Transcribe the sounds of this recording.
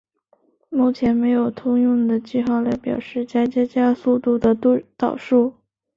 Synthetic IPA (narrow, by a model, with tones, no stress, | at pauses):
mu˥˩t͡ɕʰjɛ˧˥nme˧˥ɪjo˨˩ʊt̪ʰʊ˥ŋjʊ˥˩ŋd̪ə˩t͡ɕi˥˧xɑ˥˩ʊla˧˥ɪpjɑ̰˨˩ʊʂɻ̩˥˧t͡ɕa˥t͡ɕja˥t͡ɕja˥su˥˧t̪u˥˩d̪ə˩˥˧t̪ɑ˨˩ʊʂu˥˩